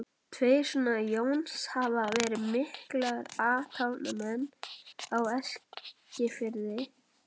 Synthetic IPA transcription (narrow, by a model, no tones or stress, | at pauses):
t̪ʰvejsʏnajownshavavɛːɾɪðmɪhklɛɣɾaːt̪ʰawnamɛnːawɛscɪfɪɾðɪ